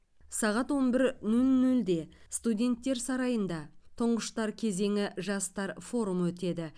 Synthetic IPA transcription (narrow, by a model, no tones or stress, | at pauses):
sɑʁɑt̪wo̞nbɪɾnɵlnɵld̪e̞st̪udʲe̞nt̪ːe̞ɾsɑɾɑjənd̪ɑt̪ʰʊɴʁəʃt̪ɑɾkʲʰe̞ze̞ŋʲɪʒɑst̪ɑɾfo̞ɾumwɵt̪e̞d̪ɪ